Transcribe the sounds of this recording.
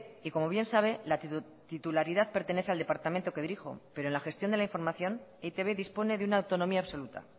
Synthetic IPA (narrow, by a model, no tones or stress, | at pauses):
iko̞mo̞βje̞nsaβ̞e̞la | t̪it̪ulaɾiðaðpe̞ɾt̪e̞ne̞θeald̪e̞paɾt̪ament̪okeðiɾixo̞̰pe̞ɾoenlaxe̞st̪jo̞nd̪elaiɱfo̞ɾmaθjo̞neit̪e̞βeðispo̞ne̞ðeunaːwt̪o̞no̞miaːβso̞lut̪a̰